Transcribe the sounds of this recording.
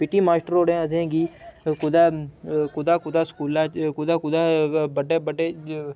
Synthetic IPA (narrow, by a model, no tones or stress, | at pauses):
pɪʈiːmaːsʈəɾoːɽẽːəd̪ẽːɡiːkʊd̪aːkʊd̪aːkʊd̪aːskuːlakʊd̪aːkʊd̪aːbəɖeːbəɖeː